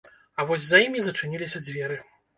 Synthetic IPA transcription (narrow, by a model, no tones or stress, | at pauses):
ɐvɔzʲzɐjimʲizɐt͡ʂɨnʲilʲisʲɐd͡zʲvʲɛɾɨ